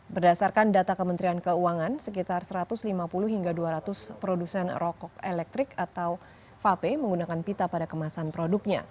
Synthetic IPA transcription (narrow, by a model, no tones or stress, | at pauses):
bərdasarkandat̪akəmənt̪ɾiankəuaŋansəkit̪arsəɾat̪ʊslimapulʊhɦiŋɡaduaɾat̪ʊspɾodusɛnrɔkɔk̚elɛk̚t̪ɾɪkat̪aw | fapeməŋɡunakanpit̪apadakəmasanpɾoduk̚ɲa̰